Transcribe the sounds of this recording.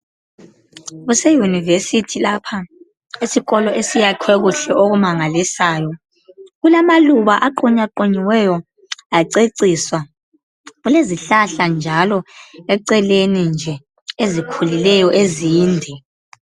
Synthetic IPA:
ɣusɛjunivesitʰilapʰa | isiɣɔlɔʔesijakʰwɛɣuɬɛʔoɣumaŋalisaːjɔ | ɣulamaluβaʔaǃɔɲaǃoɲiwɛjɔ | aǀeǀiswa | ɣuleziɬaɬand͡ʒʱalɔɛǀɛlenind͡ʒʱɛ | ezikʰulilɛjɔʔeziːndʱɛ

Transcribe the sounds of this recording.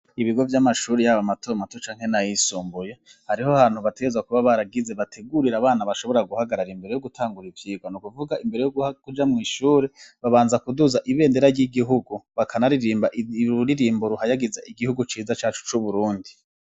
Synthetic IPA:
iβiɡo̞vjamaʃuːɾejaβamatomatot͡ʃaːŋ̥he̞najisuːmbuje | haɾihohanhuβate̞ɡeezwakuβaβaɾaɡize̞βatʰeɡuɾiɾaβaːnaβaʃo̞βo̞ɾaɡuhaɡaɾaɾimbe̞ɾejoɡutʰaːŋɡuɾivjiːɡwanukuvuɡaʔimbee̞joɡuakud͡ʒamŋiːʃuːɾeβaβaːnzakuduzaʔiβe̞ːnde̞ɾaɾjɟiɡiɦuɡuβakʰanaɾiɾiːmbaʔuɾiɾiːmbuɾuhajaɡizaʔiɡihuɡut͡ʃiːzat͡ʃaːt͡ʃu̥t͡ʃuβuɾuːndi

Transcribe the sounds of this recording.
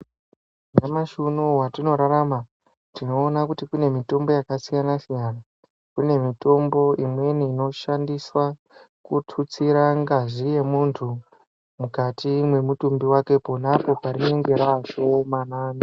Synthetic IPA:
namaʃunowatino̞ɾaɾama | tino̞ːnakutikune̞mito̞mbo̞jakasijanasijaːna | kune̞mito̞mbo̞imwe̞niːno̞ʃandiswa | kutʰut͡siɾaŋɡaʐije̞muntʰu | mukatʰimwe̞mutumbiwake̞po̞napo̞paɾineŋɡe̞ɾaʃo̞manaːni

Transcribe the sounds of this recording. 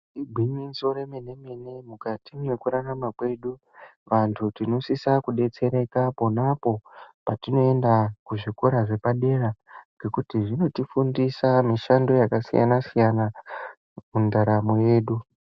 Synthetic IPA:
ibʱiɲinso̞ɾemene̞mene̞mukatimwe̞kuɾanamakwe̞ɗu | ʋantʰutino̞sisakuɗe̞t͡se̞ɾaikaponapo̞patino̞e̞ndakuʐikoɾaʐe̞paɗe̞ɾaŋɡe̞kutiʐino̞tifundisamiʃando̞jakasija̰nasijana | mundaɾamoje̞ːɗu

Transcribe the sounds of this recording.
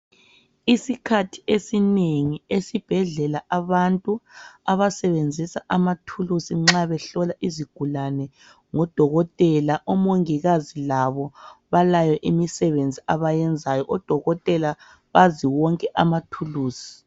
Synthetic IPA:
isikʰatʰi̥esineŋiesib̥ʱɛɮɛlaʔaβantʼuaβasɛβend͡zʱisaʔamatʰulusiŋ͡ǁaβɛɬɔlaʔiziɡ̥ʱulanɛ | ŋɔd̥ʱɔɣɔtʼɛlaʔɔmoŋiɣazilaβɔβalajɔʔimisɛβend͡zʱiaβajɛnd͡zʱajɔʔɔd̥ʱɔɣɔtʼɛla | βaziwɔŋkʼɛʔamatʰuluːsi̥

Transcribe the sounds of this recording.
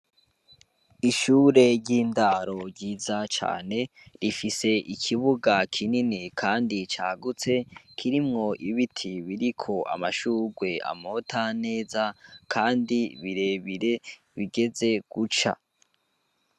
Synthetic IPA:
iʃuːɾe̞ɾɟiːndaɾo̞ɟiːzat͡ʃa̰ːne̞ | ɾifise̞ʔikʰiβuɡakʰininikʰaːndit͡ʃa̰ːɡut͡se̞kʰiɾimŋo̞ʔiβitʰiβiɾikʰo̞ʔa̰maʃuːɡwe̞a̰motʰane̞ːzakʰaːndiβiɾe̞βiɾe̞ | βiɡe̞ze̞ɡ̥ut͡ʃa̰

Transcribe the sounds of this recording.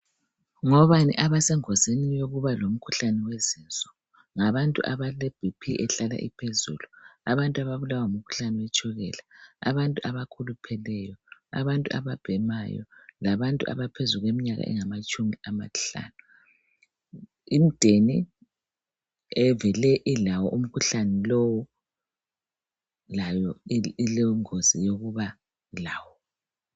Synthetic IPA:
ŋɔβanḭʔaβasɛŋɔzenijoɣuβalom̩kʰuɬanɛweziːnt͡sʼɔ̥ | ŋaβantʼṵʔaβaleb̥ʱipʰiʔɛɬala̰ʔipʰezuːluaβantʼaβaβulawam̩kʰu̥ɬanɛwɛt͡ʃʼʰɔɣɛlaa̰βantʼuʔaβakʰulupʰɛlɛjɔa̰βantʼua̰βab̥ʱɛmajɔ̰laβantʼuʔa̰βapʰezuɣwemiɲaɣa̰ʔɛ̰ŋamat͡ʃʼumiama̰ɬa̰ːnu | im̩d̥ʱeni | ɛvɛlɛʔilawɔʔum̩kʰuɬanɛlowu | lajɔilɛŋozijoɣuβa | laːwɔ

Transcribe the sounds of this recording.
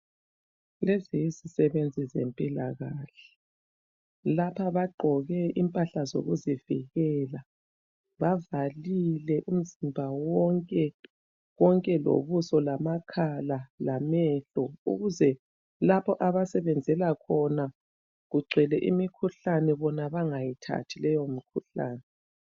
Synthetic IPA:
lezijizisɛβend͡zʱizḛmpʼilaɣaːɬɛ̥ | lapʰaβaɡ͡ǃʱɔɣɛʔimpʼaɬazo̰ɣuzivḭɣɛːla | βavalilɛʔum̩zimbʱawɔŋkʼɛ | ɣɔŋkʼɛlo̰βusɔlamakʰalalamɛɬɔṵɣuzɛ | lapʰɔʔaβasɛβɛnd͡zʱɛlakʰɔna | ɣuɡ͡ǀʱɛlɛʔimikʰuɬanɛβɔnaβaŋajitʰa̰tʰilɛjomikʰuɬa̰ːnɛ

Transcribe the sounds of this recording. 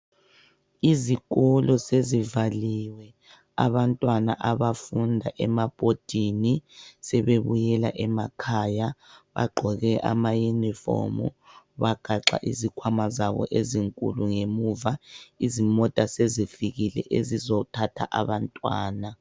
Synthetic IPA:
izikʼɔlɔsezivaliwɛ | a̰βantʼwanaʔaβafundʱaʔɛmab̥ʱod̥ʱinisɛβeβujɛla̰ʔɛmakʰajaβa̰ɡ͡ǃʱɔɣɛʔa̰majunifo̰mṵ | βaɡ̥ʱaǁa̰ʔizikʰwamazaβɔ̰ʔeziŋkʼṵluŋemuvaizimɔtʼasezifiɣilɛ̰ʔezizɔtʰatʰaʔaβantʼwa̰ːna

